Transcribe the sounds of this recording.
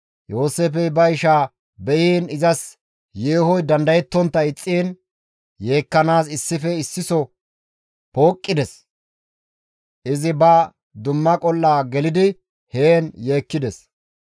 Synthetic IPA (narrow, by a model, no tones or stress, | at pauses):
jo̞ːseːfɛjbɐɪʃaː | bɛʔiːnɪzɐs | jeːhɔjd̪ɐnd̪ɐjɛt̪ːɔnt̪ːɐɪt͡sʼːiːn | je̞ːkːɐnaːsɪsːɪfɛɪsːɪsɔ | poːkʼːɪd̪ɛs | ʔɪzɪbɐ | d̪ʊmːɐkʼɔlːaːɡɛlɪd̪ɪ | heːnje̞ːkːɪd̪ɛs